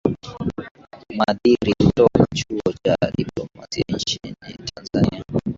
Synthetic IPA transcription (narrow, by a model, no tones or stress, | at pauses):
maðiɾitɔkat͡ʃuɔt͡ʃaɗiplɔmasia̰ɲ̩t͡ʃinḭtʰanzania